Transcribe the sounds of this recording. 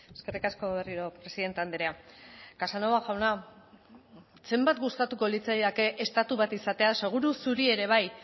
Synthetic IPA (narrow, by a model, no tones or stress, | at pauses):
eske̞rikasko̞βe̞riɾo̞pɾe̞siðe̞nt̪eand̪eɾeakasanoβaxawna | se̞mbat̪ɡust̪at̪uko̞lit͡sajðake̞ʔest̪at̪uβat̪isat̪e̞ase̞ɣ̞uɾusuɾie̞ɾe̞β̞aj